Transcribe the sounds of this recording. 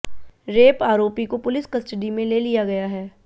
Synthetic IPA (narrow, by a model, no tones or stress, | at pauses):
ɾeːpaːɾoːpikopʊlɪskɐsʈəɖimẽleːlijaɡɐjaɦɛː